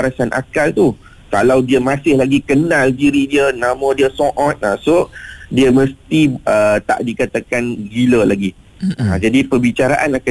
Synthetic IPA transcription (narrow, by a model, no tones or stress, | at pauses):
aɾasanʔa̰kalt̪u | kalawdiəmãsɪhlaɡikənãldiɾidiənãmə̃diəsɔ̃ʔɔ̃t̪̚asodiəməst̪iət̪a̰ʔdikat̪akanɡiləlaɡi | a̰d͡ʒadipəbit͡ʃaɾaʔanaka